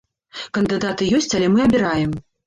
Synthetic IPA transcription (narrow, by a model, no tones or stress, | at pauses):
kɐnd̪ɨd̪at̪ɨjɔsʲt͡sʲalʲɛmɨɐbʲiɾajɛm